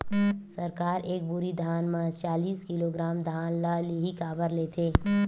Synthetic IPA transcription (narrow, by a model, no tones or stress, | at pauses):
səɾkaːɾʔeːk̚bʊɾid̪ʱaːnmãt͡ʃaːliːskɪloɡɾaːmd̪ʱaːnlaliɦikaːbəɾleːt̪ʰeː